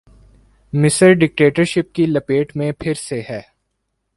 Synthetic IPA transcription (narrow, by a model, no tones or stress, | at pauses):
mɪsəɾɖɪk̚ʈeːʈəɾʃɪp̚kilɐpeːʈmẽpʰɪɾseɦɛː